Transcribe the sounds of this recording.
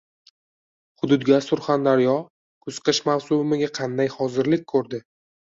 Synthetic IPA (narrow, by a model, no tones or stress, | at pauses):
χʊd̪ʊd̪ɡʲasʊɾχand̪aɾjɒ | kʰɵzqɨʃmawsʊbɪmɪɡʲaqʰɑnd̪ajχɒzɪɾlɪk̚ʲkʰɵɾd̪ɪ